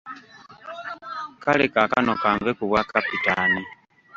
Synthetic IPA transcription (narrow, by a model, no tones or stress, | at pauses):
kalekaka̰nokaːɱvekuβwakapitani